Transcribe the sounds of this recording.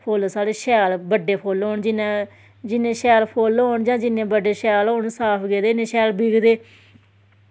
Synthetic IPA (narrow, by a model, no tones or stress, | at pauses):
pʰoːlsaːɽeːʃɛːlbəɖːeːpʰoːloːɳd͡ʒɪnãː | d͡ʒɪnẽːʃɛːlpʰoːlɦoːɳd͡ʒãːd͡ʒɪnẽːbəɖeːʃɛːloːɳsaːpʰɡeːd̪eːnẽːʃɛːlbɪɡd̪eː